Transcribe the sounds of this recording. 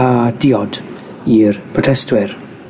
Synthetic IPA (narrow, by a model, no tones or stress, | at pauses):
adɪɔd | irpʰrɔtʰɛstwɪr